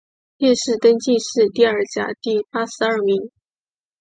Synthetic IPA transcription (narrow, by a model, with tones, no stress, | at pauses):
ljɛ˥˧ʂɻ̩˥˩t̪ə˥nt͡ɕi˥˧ʂɻ̩˥˧t̪i˥˧ə˞˥˩t͡ɕja̰˧˩˦t̪i˥˩pa˥sɹ̩˧ɐ˞˥˩mi˧˥ŋ